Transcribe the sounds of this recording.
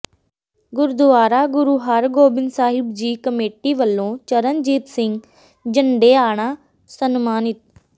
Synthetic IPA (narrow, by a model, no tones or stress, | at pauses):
ɡʊɾd̪ʊʋaːɾaːɡʊɾuːɦaːɾɡoːbɪnsaːɦɪbd͡ʒiːkəmeːʈiʋəlːõːt͡ʃəɾənd͡ʒiːt̪sɪ̃ŋɡ | d͡ʒəɳɖeːaːɽ̃aː | sənmaːnɪt̪̚